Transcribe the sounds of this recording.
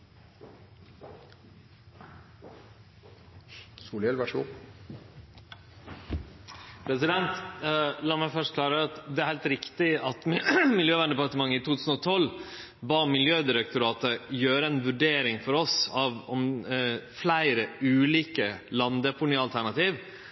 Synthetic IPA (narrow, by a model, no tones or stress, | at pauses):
suːlɛlʋæʂṵ | pʰɾɛsɪd̪ɛnt̪lɑːmæɪfœʂt̪kʰlɑːɾəɑt̪d̪ɛæɾhæɪlt̪ɾɪkt̪ɪɑt̪mɪljøːʋæɳd̪ɛpɑɾt̪əmɑŋːəɪt̪ʰuːt̪ʰʉːsn̩ɔt̪ʰɔl | bɑːmɪljøːd̪ɪɾək̚t̪ʊɾɑːt̪əjøːɾəɛnʋʉɖeːɾɪŋfɔɾɔsɑʋɔm | flæɪɾəʉːliːkəlɑnd̪əpʰʊɳyɑlt̪ʰæɳɑt̪iːʋ